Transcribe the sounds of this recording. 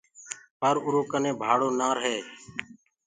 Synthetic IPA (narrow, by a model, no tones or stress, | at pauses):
pəɾʊɾoːkəneːbʱaːɽoːnaːɾɦeː